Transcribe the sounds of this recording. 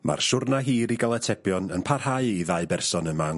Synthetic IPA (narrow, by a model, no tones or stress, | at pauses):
mʔa̰rʃʊrnaɦiːɾiɡalˠɛtʰɛbjɔnənpʰarhaɨiðaɨbɛrsɔnəma